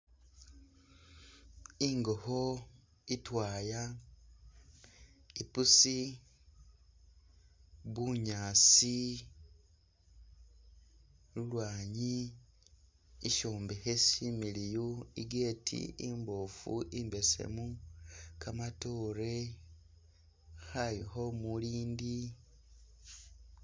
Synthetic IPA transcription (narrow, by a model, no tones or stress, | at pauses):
iːŋɡoho | itwaːja | ipusi | βuɲaːsi | lulwaːɲi | ʃoːmbehesimilijuiɡe̞ːtʰḭimbofuʔimbe̞sḛmu | kamatoːɾe | halixo̞muliːndi